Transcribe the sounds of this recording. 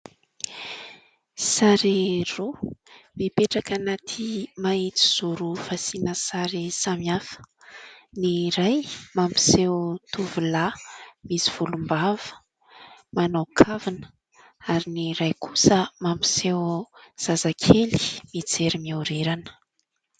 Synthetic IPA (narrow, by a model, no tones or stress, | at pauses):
saɾiromipeʈ͡ʂakanat̪ʰimait͡si̥z̥uɾufasinəsaɾisamiafə̥ | niɾajmampi̥sewt̪ʰuvulamisiv̥ulumbavə̥ | manawkʰavinə | aɾiniɾajkʰusəmampi̥sewz̥azakʰeli̥mid͡zeɾimiuɾeɾanə̥